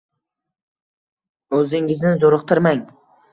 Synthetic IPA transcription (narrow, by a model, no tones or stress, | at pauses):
ɵzɪŋɪznɪzoɾɨqt̪ʰɪɾmaŋ